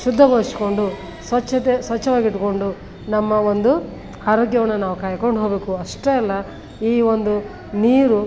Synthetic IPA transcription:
ʃud̪ʱːɐɡoːɾsi̥ko̞ɳɖu | sʋɐt͡ʃːɐt̪esʋɐt͡ʃːɐʋaːɡiʈːuko̞ɳɖu | nɐmːɐond̪u | aːɾoːɡjɐʋɐnːɐnaːʋukaːjɐkoɳɖɦoːbe̞ːkuɐʂʈeɛlːɐ | iːond̪u | niːɾu

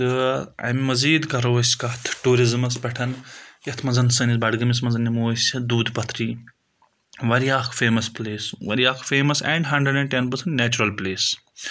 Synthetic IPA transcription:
t̪ɨɐ̰jmmɐziːd̪kɐɾoːsʲkɐt̪ʰʈuːɾizmɐspɐʈʰɐnjɐt̪ʰmɐzɐnsɨnisbɐɽɡɐmis̬mɐzɐnːimoːsʲd̪uːd̪pɐt̪ʰɾiː | ʋɐɾijaːkʰfeːmɐspleːsʋɐ̰ɾijaːkʰfeːmɐsɛ̰ːɳɖɦɐɳɖəɖɛ̃ɳʈenpɐɾsɐɳʈneːt͡ʃuɾɐlpleːs

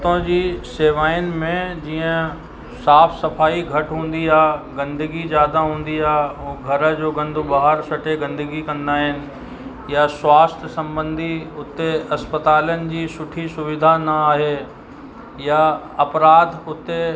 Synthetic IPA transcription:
t̪õd͡ʑiːseːʋaːɪənɪ̆mẽd͡ʑiːə̃ | saːfʰsɐfaːiɡʱɐʈɦũːn̆d̪iaːɡɐ̃nd̪əɡizjaːd̪aɦũːn̆d̪iaːuɡʱɐɾə̆d͡ʑoːɡɐ̃nd̪ʱubaːɦəɾsɐʈeɡɐ̃nd̪əɡikɐ̃nd̪aːɦɪnɪ̆ | jaswaːst̪ʰəsɐ̃mbə̃nd̪ʱiʊt̪eɐspət̪aːljənɪ̆d͡ʑiːsʊʈʰisʊʋɪd̪ʱanɐaːɦe | ja | ɐpɾaːd̪ʱʊt̪e

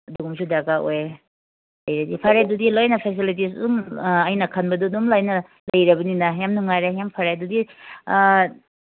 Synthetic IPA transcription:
ɐduɡumsudaɡaoj | lɐjɾedipʰaɾedudilojnɐpʰes̬ilitis̬dumɐjnɐkʰɐnbɐdudumlajnɐ | lɐjɾɐbɐninɐjamnuŋajɾejampʰaɾedudi

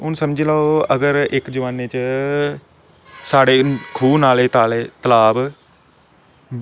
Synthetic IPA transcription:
ʊnsəmd͡ʒiːlaːoəɡəɾɪkd͡ʒəʋaːneːt͡ʃ | saːɽeːkʰuːnaːleːt̪ːleːt̪əlaːb

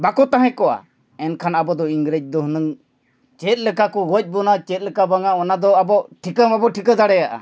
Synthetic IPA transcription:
bakɔt̪aɦɛ̃kɔʔa̰ | ɛnkʰanabɔd̪ɔiŋɡɾed͡ʒ̚d̪ɔɦənəŋ | t͡ʃɛt̪̚ˀlɛkakɔɡɔc̚ˀbɔnat͡ʃɛt̪̚ˀlɛkabaŋaɔnad̪ɔabɔʔʈʰikəmabɔʈʰikəd̪aɽɛjaʔa̰

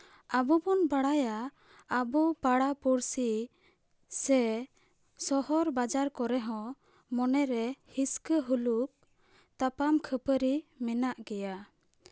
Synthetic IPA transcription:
abɔbɔnbaɽajaː | bupaɽapuɾsi | sɛ | sɔhɔɾbad͡ʒaɾkɔɾɛɦɔ̃ | mɔnɛɾɛhiskəɦuluk̚ | t̪apamkʰəpəɾimɛnaʔɡɛja

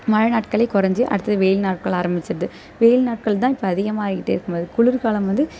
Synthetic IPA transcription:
mɐɻɐnaːʈkɐɭɐɪkʊɾɐɲd͡ʒɯʔɐ̰ɽɯt̪ːɐðɯʋeːjɪlnaːʈ̚kɐɭaːɾɐmbɪt͡ʃːɪɾɐðɯ | ʋeːjɪlnaːʈ̚kɐɭt̪ãːɪpːoɐðɪɣɐmaːɾɪkːɪʈːeːɪɾɯkːɯmboːðɯkʊɭʊɾkaːlɐmʋɐnd̪ɯ

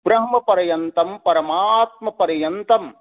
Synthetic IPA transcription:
bɾɐɦmɐpɐɾɐjɐnt̪ɐmpɐɾɐmat̪̚mɐpɐɾɐjɐnt̪ɐm

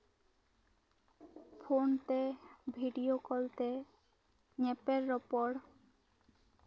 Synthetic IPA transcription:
pʰont̪ebʱiɖijokɔlt̪e | ɲepeɾːɔpɔɽ

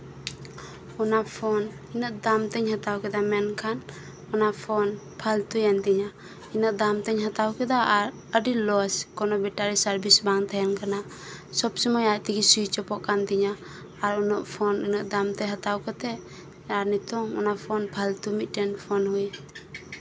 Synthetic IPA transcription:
ɔnapʰɔn | inəʔ̚d̪amt̪ɛɲhat̪awkɛd̪amɛnkʰan | ɔnapʰɔn | pʰalt̪ujant̪iɲa | inəʔ̚d̪amt̪ɛɲɦat̪awkɛd̪aɾ | əɖilɔskɔnɔbɛʈaɾisaɾbisbaŋt̪ʰajɛnkana | sɔbsɔmɔjaʔt̪iɡisujt͡ʃɔpɔʔkant̪iɲaː | ɾɔnɔʔpʰɔninɔʔ̚d̪amt̪ɛɦat̪awkat̪ɛʔ | aɾnit̪ɔŋɔ̰napʰɔnpʰalt̪umit̪̚ˀʈɛnpʰɔnhuj

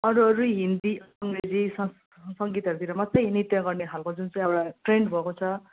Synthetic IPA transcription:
ʌɾuʌɾuɦind̪iʌŋred͡zisʌ | sʌŋɡit̪ʌɾut̪ʰiɾʌmat̪ʌjnit̪jʌɡʌrneɦalkod͡zunt͡sʌ̃j̃ʌɽaʈreɳɖbʱʌkot͡sʰʌ

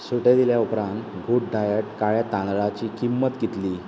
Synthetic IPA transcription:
suʈed̪iljaupɾãnt̪ɡʱuʈ̚ɖajəʈkaɭjat̪ãnd̪ɭat͡ɕiːkimːət̪ɡit̪liː

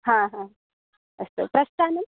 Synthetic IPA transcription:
ɦãɦã | əst̪ə̰pɾɐst̪anə

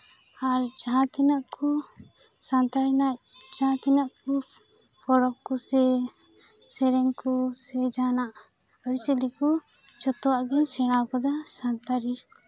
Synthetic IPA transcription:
aɾd͡ʒaɦãt̪inaʔkʰu | sant̪aɾinac̚ | d͡ʒaãt̪inaʔku | pʰɔɾɔp̚kusɛ | sɛɾɛŋkusɛd͡ʒanaʔ | əɾisəliku | t͡ʃɔt̪ɔwaʔɡinsɛɽ̃akɔd̪ɔsant̪aɾi

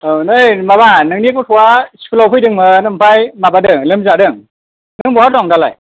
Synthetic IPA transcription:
ɯnɯjmabanɯŋnikɔtʰɔwaspʰulawpʰɯjdɯŋmɯnɯmpʰajmabadɯŋlɯmzadɯŋ | nɯŋbɔhaɾdɔŋdala̰j

